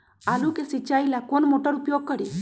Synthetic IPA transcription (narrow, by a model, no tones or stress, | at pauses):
alukesit͡ʃajlakonmoʈɔɾupjoɡ̚kɔɽi